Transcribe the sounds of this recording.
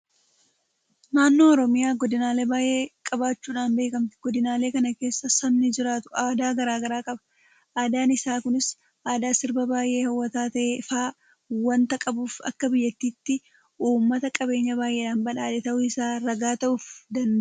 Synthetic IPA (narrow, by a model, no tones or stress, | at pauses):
naːnːo̞ːɔɾɔmɪjaːɡɔd̪ɪnaːle̞ːbaːjʔe̞ːkʼɐbaːt͡ʃːuːᶑaːnbe̞ːkɐmt̪ɪ̥ɡ̥ɔd̪ɪnaːle̞ːkɐnɐke̞ːsːɐsɐmnɪd͡ʒɪɾaːt̪ʊ̥aːd̪aːɡɐɾaːɡɐɾaːkʼɐbɐ̥ | ʔaːd̪aːnɪsaːkʊnɪs | ʔaːd̪aːsɪɾbɐbaːjʔe̞ːhɐwːɐt̪aːt̪ɐʔeːfaː | wɐnt̪ɐkʼɐbuːfɐ̰kːɐbɪjːɐt̪ːiːt̪ːɪ | ʔuːmːɐt̪ɐkʼɐbe̞ːɲːɐbaːjʔe̞ːᶑaːnbɐᶑaːᶑ̪ɛt̪ɐʔʊɪsaːɾɐɡaːt̪ɐʔʊfd̪ɐnd̪